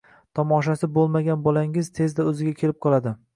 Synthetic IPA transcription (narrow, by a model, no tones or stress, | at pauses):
t̪ʰɒmɒʃasɪbolˠmaɡʲanbɒlaŋɪzt̪ʰe̞zd̪aɵzɪɡʲakʲʰe̞lɪp̚qʰɒlˠad̪ɪ